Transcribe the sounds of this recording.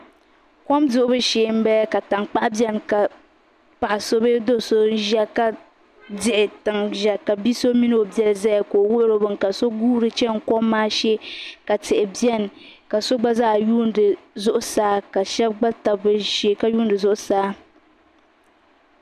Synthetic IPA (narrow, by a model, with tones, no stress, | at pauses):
kɔ˦mdʊ˨ʔʊ˦bɨ˦ʃeː˨m̩˦bɛ˦ka˨ta˨ŋk͡pa˦ʔbjɛ˦mka˨ | pa˨ʔa˨so˦bɨ˦do˦so˦n˦ʒɛ˦ka˦ | dɪ˨ʔɪ˨tɨ˨ŋʒɛ˨ka˨bi˦so˦mi˦no˦bɛ˦lzɛ˦jkoː˨wʊ˦ʔɾo˨bɨ˨ŋka˨so˦ɡuː˦ɾɨ˨t͡ʃɛ˦ŋ̩˨kɔ˦mː˦aː˦ʃɛ˦ka˨tɪ˨ʔɪ˨bi˦ɛ˦n˨ | ka˨so˦ɡ͡ba˦zaː˦˨juː˦ndɨ˨zʊ˦ʔʊ˦saː˦ka˨ʃɛ˦b̚ɡ͡ba˦ta˨bɨ˦ʃe˨ka˦juː˦n˦dɨ˨zʊ˦ʔʊ˦saː˦